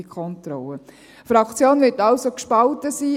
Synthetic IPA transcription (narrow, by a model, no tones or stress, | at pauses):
ikʰɔntɾɔ̰lə | fɾɑkʰt͡sjoːnvɪtɑlsokʃpɑltəsiː